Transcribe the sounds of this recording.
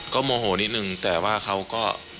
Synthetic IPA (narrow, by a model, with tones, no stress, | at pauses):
kɔː˥˩moː˧ɦoː˩˦ni˦˥t̪̚nɯ˨˩ŋt̪ɛː˨˩waː˥˩kʰa˦˥wkɔː˥˩